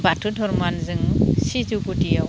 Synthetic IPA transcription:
batʰudʱɔɾmanzɯŋsituɡutija

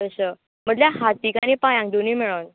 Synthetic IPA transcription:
əɕə | m̤əɳljaɦat̪ikañipajãŋk̚d̪oniːmeɭən

